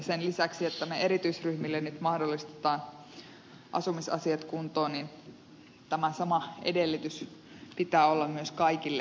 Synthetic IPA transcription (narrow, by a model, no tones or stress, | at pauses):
senlisæksiet̪ːæmeeɾit̪yisryhmilːenyt̪mɑhdolːist̪e̥t̪ɑːn | ʔɑ̰sumisɑ̰siɑt̪kunt̪oːnin | t̪æmæsɑmɑḛdelːyt̪ys | pit̪æːolːɑmmyøskɑikilːe